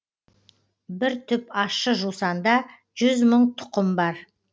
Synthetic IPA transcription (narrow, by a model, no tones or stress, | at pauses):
bɪɾt̪ʰʏpɑʃəʒusɑnd̪ɑ | ʒ̥ʏzməɴt̪ʰʊ̥qəmbɑɾ